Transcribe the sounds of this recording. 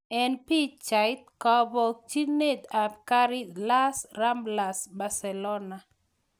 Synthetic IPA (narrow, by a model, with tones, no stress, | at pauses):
ɛ˨npi˦t͡ʃa˨ɪt̪̚kɔbɔ˨k̚t͡ʃi˦ne˦d̪a˨pka˦ɾi˦la˦sra˦mbla˨sba˨sɛ˨lɔ˦na˨